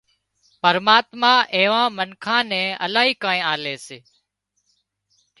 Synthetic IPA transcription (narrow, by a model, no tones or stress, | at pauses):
pəɾmaːt̪mãːʔeːʋãːmənkʰãːnɛ̃ːə̰laːɦiːkãːẽːaːleːseː